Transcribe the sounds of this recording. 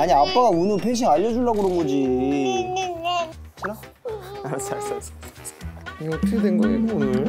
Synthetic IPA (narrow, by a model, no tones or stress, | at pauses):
aɲiap͈aɡaunɯnpʰeŋɕ̬ʰiŋaʎːʌd͡ʑuɭːaɡɯɾʌnɡʌd͡ʑi | ina | aɾsaɭs͈as | ɡʌkʰɯɡodenɡʌeɡounɯɾ